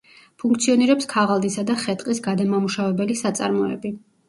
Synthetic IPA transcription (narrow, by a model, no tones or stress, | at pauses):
pʰuŋk̚ʰt̪sʰiɔniɾɛpskʰaʁalˠd̪isad̪aχɛt̪ʼqʼisɡad̪amamuʃavɛbɛlisat̪sʼa̰ɾmɔɛ̰bi